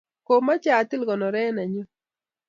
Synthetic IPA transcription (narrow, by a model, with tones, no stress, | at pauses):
ko˨ma˦t͡ʃa˨t̪ɪ˦lɡɔ˨nɔ˨ɾɛ˦na˨ɲo˦